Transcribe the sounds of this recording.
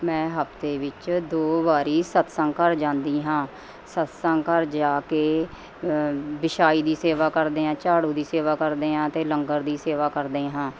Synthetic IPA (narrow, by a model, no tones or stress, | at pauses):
mɛ̃ːɦəpt̪eːʋɪt͡ʃd̪oːbaːɾiːsət̪sə̃ŋkəɾd͡ʒãːnd̪iːɦãː | sət̪sə̃ŋkəɾd͡ʒaːkeː | bɪʃaːiːd̪iːseːʋaːkəɾd̪eːãːt͡ʃaːɽũːd̪iːseːʋaːkəɾd̪eːɦãːt̪eːləŋɡəɾd̪iːseːʋaːkəɾd̪eːɦãː